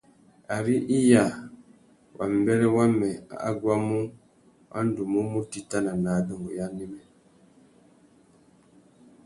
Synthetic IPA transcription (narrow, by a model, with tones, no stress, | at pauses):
a˨ɾi˦ʔi˦ja˨ | wʔa̰˨m̩˨bɛ˦ɾɛ˦wa˦mɛ˨a̰˨a˦ɡwa˦mu˦ | wʔa̰˦n̩˦du˨mu˦mu˦ti˦ta˦na˨na˨do˨ŋɡo˨ja˦ni˦mɛ˨